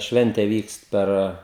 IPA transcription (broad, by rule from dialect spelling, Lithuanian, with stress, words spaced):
ˈʃʲʋʲɛnʲtʲɛ ˈʋʲiːkst ˈpʲɛr